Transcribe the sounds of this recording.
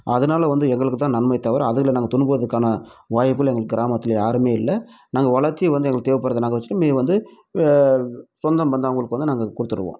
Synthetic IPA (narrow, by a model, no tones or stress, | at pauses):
ɐðɯnaːlɐʋɐnd̪ɯɛŋɡɐɭɯkːɯt̪ːãːnɐnmɐɪt̪ːɐʋɐɾɐðɯɣɐlnaːɡɐt̪ʊɳbɯʋɐðɯkːaːnɐʋaːjɪpːɯlɛŋɡɐɭɯkːɯːɡɪɾaːmɐt̪ːɪlɐaːɾɯmeːɪlːɐnaːŋɡɐʋɐɭɐɾt̪ːijɛʋɐnd̪ɯɛŋɡɐɭkːt̪eːʋɪpːɐɾːɐðɐnaːŋɡɐʋɐt͡ʃːɯʈːmeːʋɐnd̪ɯ | sɔnd̪ɐmʋɐnd̪aːʋɐŋɡɐɭɯkːɯʋɐnd̪ɯnaːŋɡɐkʊɽɯt̪ːɯɾɯʋõ̰ː